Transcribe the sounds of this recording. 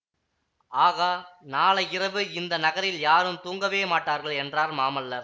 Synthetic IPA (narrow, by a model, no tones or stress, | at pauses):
aːɣɐnaːɭɐɪrɐʋɯɪnd̪ɐnɐɣɐɾɪljaːɾɯmt̪uːŋɡɐʋeːmaːʈːaːɾɣɐɭɛndraːɾmaːmɐlːɐ